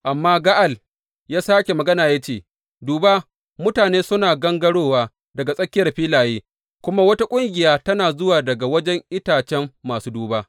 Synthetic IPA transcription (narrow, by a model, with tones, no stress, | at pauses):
ʔa˨mːaː˦ɡa˦ʔa˨l | jaː˦saː˦kʲe˨mɐ˨ɡɐ˦naː˨ja˦t͡ʃeː˦˨ | duː˨ba˦ | mʊ˦taː˨neː˦sʊ˦naː˨ɡɐ˦ŋɡɐ˦ɽoː˦waː˦ | dɐ˨ɡa˨sʼɐ˦kʲɪ˦jɐ˨rɸiː˦laː˨jeː˦ | kʷʊ˦ma˦wɐ˦ta˦kʷʼʊ˦ŋɡʲɪ˨jaː˦tɐ˦naː˨zʊ˦waː˨dɐ˨ɡa˨wɐ˦d͡ʒɛ˦ŋʔɪ˦taː˨t͡ʃɛ˦mːaː˨suː˦duː˨baː˦